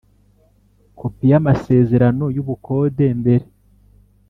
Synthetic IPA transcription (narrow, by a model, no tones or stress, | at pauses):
kʰopijamase̞ːze̞ɾano̞juβuko̞ːde̞mbe̞ɾe̞